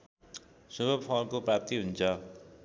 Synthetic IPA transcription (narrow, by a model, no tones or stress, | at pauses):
subʱʌbpʰʌnkoprap̚t̪iɦunt͡sʰʌ